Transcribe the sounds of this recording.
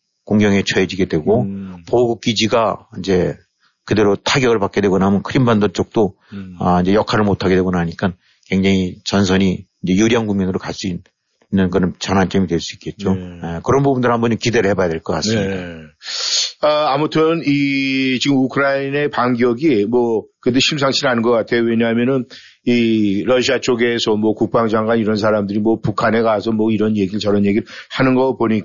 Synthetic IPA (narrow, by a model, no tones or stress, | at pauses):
koŋɡjʌŋe̞t͡ɕʰʌed͡ʑiɡe̞dwe̞ɡopoɡuk̚k͈id͡ʑiɡaind͡ʑe̞ | kɯde̞ɾotʰaɡjʌɡɯɭpak͈e̞dwe̞ɡʌnamjʌnkʰɯɾimbandot͡ɕ͈ʌk̚t͈o | ʌind͡ʑejʌkʰaɾɯɭmotʰaɡewe̞ɡʌnaɲik͈an | kwe̞ŋd͡ʑaŋit͡ɕʌnsʰʌɲiind͡ʑe̞juɾijʌŋɡuŋmʌnɯɾokas͈uin | inːɯnkɯɾʌnt͡ɕʌnɦant͡ɕ͈ʌmidwe̞ɭs͈uik͈e̞t̚t͡ɕ͈ojekɯɾʌnbubundɯɾɦhambʌnd͡ʑomkide̞ɾɯɭhe̞baadeɭk͈ʌk͈a̰s͈ɯmɲida | aamutʰɯnit͡ɕiɡɯmukʰɯɾaine̞paŋɡjʌɡimwʌkɯd̬eɕʰims̬ʰaŋɕʰiɾanɯnŋɡʌk͈atʰe̞joweɲaɦamjʌnɯn | iɾʌɕʰiat͡ɕ͈oɡe̞sʰʌmwʌkuk̚p͈aŋd͡ʑaŋɡwaniɾʌnsʰaɾamdɯɾimwʌpukʰane̞ɡasʰʌmwʌiɾʌnje̞ɡiɯɭt͡ɕʌɾʌnje̞ɡiɾhanɯnɡʌpoɲik